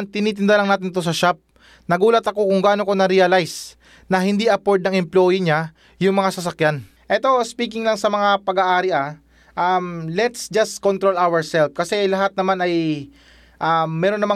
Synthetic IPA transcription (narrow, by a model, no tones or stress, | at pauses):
t̪ɪniːt̪ɪnd̪alɐŋnaːt̪ɪnɪt̪os̬ɐʃap̚ | nɐɡuːlɐt̪ɐko̞kʊŋɡaːno̞ko̞nɐɾiɐlajs | nɐɦɪnd̪iɐpoɹd̪̚nɐŋɛmplo̞ːjiɲa | jʊŋmɐŋasɐs̬ɐkjan | ʔɛt̪o̞spiːkɪŋlɐŋsɐmɐŋapɐɡaʔaːɾɪʔa | ʔɐmlɛt̪sd͡ʒɐst̪kont̪ɾo̞lawɛɹsɛlfkɐsɛlɐɦat̪̚nɐmanɐj | ʔaːɛːɾonːɐma